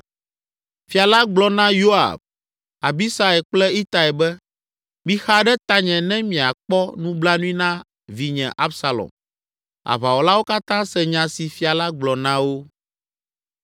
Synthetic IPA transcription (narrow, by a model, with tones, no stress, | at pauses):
fi˨a˨la˦ɡ͡blɔ˨nã˦jo˦a̰˨b̚ | a˨bi˦sɾa˨ɛ˨k͡plɛ˦i˦t̪a˨ɛ˨bɛ˦ | mĩ˦xa˦ɖɛ˦t̪a˦ɲɛ̃˨nɛ̃˦mĩ˨a˨k͡pɔ˦nũ˦bla˦nũ˦ĩ˦nã˦ | vi˨ɲɛ̰̃˨ʔa˦bsa˨lɔ̰˨m | a̰˨βa˨wo˨la˦wo˦ka˦t̪ã˦sɛ˨ɲã˨si˨fi˨a˨la˦ɡ͡blɔ˨nã˦wo˦